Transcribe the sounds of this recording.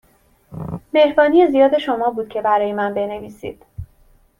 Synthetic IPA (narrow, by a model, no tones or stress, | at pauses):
me̞hbɒːnije̞zijɒːd̪e̞ʃo̞mɒːbuːd̪̥cʰe̞bæɾɒːje̞mænbe̞ne̞viːsḭːd̪̥